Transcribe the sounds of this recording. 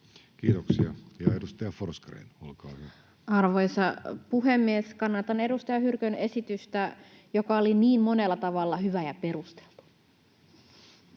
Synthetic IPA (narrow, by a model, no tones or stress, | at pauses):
kiːt̪oksiɑjɑedust̪ɑjɑforskrḛinolkɑːhyæ | ɑrʋojsɑpuɦemːieskɑnːɑt̪ɑne̞dust̪ɑjɑhyrkøne̞sit̪yst̪æ | jokɑoliniːmmo̞nelːɑt̪ɑʋɑlːɑhyʋæjɑpe̞rust̪e̥lt̪u̥